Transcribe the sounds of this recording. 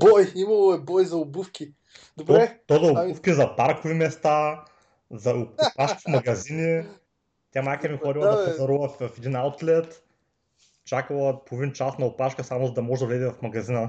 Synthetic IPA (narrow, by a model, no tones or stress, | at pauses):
bɔjimɐlˠoɛbɔjzɐʊbufkʲi | d̪obɾɛt̪ɔd̪ɐʊufkʲizɐpaɾkʊvimɛst̪a | zɐʊʊpaʃkifmɐɡɐzini | t̪ʲamajkʲiɐmixɔd̪ʲilˠɐdɐpɐɐɾuvˠɐffɛd̪inawt̪lɛt̪ | t͡ʃakəlˠɐpovint͡ʃasnɐʊpaʃkəsamʊzɐd̪ɐmɔʒɛd̪ɐvlɛd̪ivɐfmɐɡɐzinə